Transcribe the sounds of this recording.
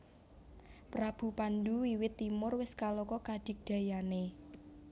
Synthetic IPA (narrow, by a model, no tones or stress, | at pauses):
pɾab̥ṳpanduwiwɪt̪ːimʊrwɪskalɔkɔkad̥ɪk̚d̪̥a̤jane